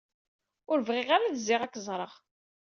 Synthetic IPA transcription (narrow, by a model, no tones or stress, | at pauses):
ʊɾəvʁɪʁaɾaðəzːɪʁækːzˤɾˤəʁ